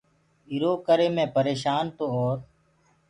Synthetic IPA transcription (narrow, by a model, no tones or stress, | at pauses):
iɾoːkəɾeːmẽːpəɾeːʃaːnt̪oːoːɾ